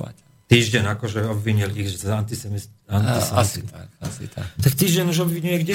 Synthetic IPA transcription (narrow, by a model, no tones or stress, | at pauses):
a̰ | t̪iːʒɟɛɲakɔʒɛɔbʋiɲiliɣʒzant̪isɛmant̪isɛsakasḭt̪akt̪akt̪iːʒɟɛɲuʒɔbʋiɲujɛɡɟɛ